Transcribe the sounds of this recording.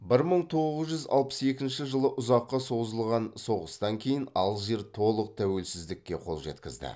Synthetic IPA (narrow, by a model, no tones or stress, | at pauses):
bɪɾməɴt̪ʰo̞ʁəzʒʏzɑ̰lˠpə̥se̞kʲɪnʃɪʒəlˠəʔʊzɑqːɑso̞zəlˠʁɑnso̞ʁəst̪ɑŋkʲʰe̞jɪnɑlˠʒe̞ɾt̪ʰo̞lˠəq̚t̪ʰæwe̞lsɪzd̪ɪkʲːe̞qʰo̞lˠʒe̞̰t̪kʲɪzd̪ɪ̰